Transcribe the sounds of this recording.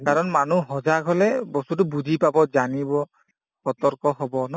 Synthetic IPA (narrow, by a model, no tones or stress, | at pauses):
kaɹɔnmanuɦɔzaɡɦɔlɛbɔsut̬ʊbud͡ʒʱipabɔzanibɔ | xɔtɔɹkɔɦɔbɔnɔ